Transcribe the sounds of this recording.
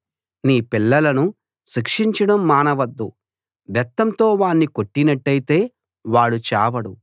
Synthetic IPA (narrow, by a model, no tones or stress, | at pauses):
niːpilːɐlɐnu | ʃikʂiɲt͡ʃɐɽɐmːaːnɐʋɐd̪ːu | ʋjɛt̪ːɐnt̪o̞ːʋaːɳːiko̞ʈːinɐʈːɐjit̪e̞ː | ʋaːɭːut͡ʃaːʋɐɽu